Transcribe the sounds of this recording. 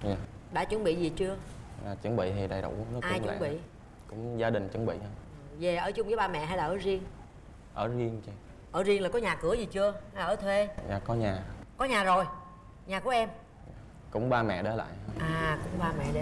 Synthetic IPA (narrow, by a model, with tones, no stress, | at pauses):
zaː˨˩ɗa̰ː˧˥t͡ɕwə˨˦nɓḭ˧˨zi˨˩t͡ɕɨ˧əaː˨˩t͡ɕɨ˨˧˦ŋɓḭ˧˨t̪ʰi˨˩ɗa˨˩jɗʊ̰˧˨˧nɔ˨˦ʔaː˧jw̰ɓḭ˧˨ | kʊ̰˧˥ŋ͡mzaː˧ɗï˨˩ŋ̟t͡ɕə˨˧˦nɓḭ˧˨hə˧˨˩ve˨˩ʔəː˧˩t͡ɕʊ˧ŋ͡mvəː˨˦ɓaː˧mɛ̰˧˨ɦa˧jlaː˨˩ʔəː˧˨˦zi˧əŋ | ʔəː˧˩zi˧əŋt͡ɕi˧˨ | ʔəː˧˩zi˧ŋla˨˩kɔ˨˦ɲaː˨˩kɨ˧˩əzi˨˩t͡ɕɨ˧əha˧laː˨ʔəː˧˦t̪ʰwe˧ɲaː˨˩kɔ˨˦ɲaː˨˩kɔ˨˦ɲaː˨˩zo˨˩j | ɲaː˨˩ku˧˩˦ʔɛ˧m˨ | kʊ̰˧˥ŋ͡mɓaː˧mɛ̰˧˨ɗe˨˦la̰ː˧˨jʔaː˨˩kʊ̰˧˥ŋ͡mɓaː˧mɛ̰˧˨ɗe˨˦